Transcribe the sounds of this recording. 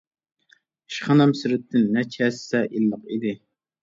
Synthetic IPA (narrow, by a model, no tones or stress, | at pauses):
ʃχɑnɑmsɪɾɪt̪ʰːɪnːɛt͡ʃʰɛsɛʔilːəqid̪ɪ